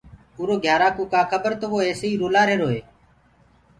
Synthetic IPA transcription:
uːɾoːɡʱjaːɾaːkũːkaːkʰəbəɾt̪oːʋoːeːseiːɾoːlaːɾeːɾoːɦeː

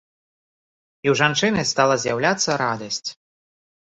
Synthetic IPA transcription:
iwʐant͡ʂɨnɨst̪alˠɐzʲjawlʲat̪sːɐɾad̪ɐsʲt͡sʲ

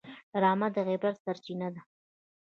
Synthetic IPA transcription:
ɾɑmad̪əɣebaɾsaɾt͡ʃinad̪a

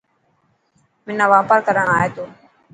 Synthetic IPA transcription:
mɪnãːʋaːpaːɾkəɾəɳaːeːt̪oː

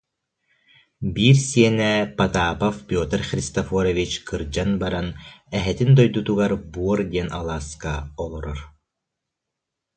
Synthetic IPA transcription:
biːɾsiɛnɛpat̪aːpafpʲjɔːt̪ɛɾχɾist̪ɐfɔɾɔvit͡ʃkʰɯɾd͡ʑanbaɾanɛɦɛt̪ind̪ɔjd̪ut̪uɡaɾbuɔɾd̪iɛnʔa̰lˠaːskaɔlˠɔɾɔɾ

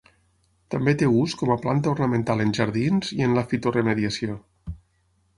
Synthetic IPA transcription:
t̪ambet̪euskɔməplant̪əornəmẽnt̪alˠenʲʒaɾðinziənləfit̪oremeðiasio

